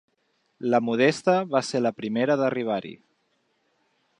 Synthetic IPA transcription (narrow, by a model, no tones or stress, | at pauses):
ləmuð̞est̪əβaseləpɾimeɾəðəriβ̞aɾḭ